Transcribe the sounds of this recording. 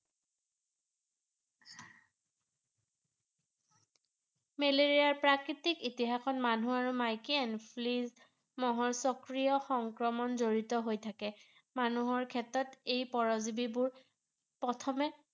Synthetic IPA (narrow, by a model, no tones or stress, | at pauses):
meleɹijaɹpɹakɹitikitiɦaxɔt̚manuaɹumajkiɛnpʰliz | mɔɦɔɹsɔkɹijɔxɔŋkɹɔmɔnzoɹitɔɦojtʰakɛ | manuɦɔɹkʰɛtɹɔtejpɔɹɔzibibʊɹ | pɔtʰɔmɛ